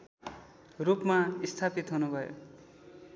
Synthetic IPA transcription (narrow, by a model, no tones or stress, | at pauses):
rupmaist̪ʰapit̪ɦunubʱʌjo̰